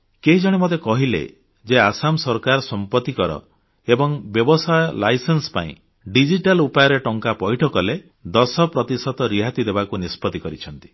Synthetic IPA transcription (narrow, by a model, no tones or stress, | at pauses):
keɦid͡ʒɔɽ̃emot̪̬ekɔɦilḛ | d͡ʒeasamsɔɾkaɾɔsɔmpɔt̪ːikɔɾɔ̰ | ebɔŋbjɔbɔsajɔlajsensɔ̥pa̰ḭ̃ | ɖid͡ʒiʈalupajɔɾeʈɔŋkapɔiʈʰɔkɔle | d̪ɔsɔpɾɔt̪isɔt̪ɔɾiɦat̪id̪ebakunispɔt̪ikɔɾit͡ʃʰɔnt̪i̥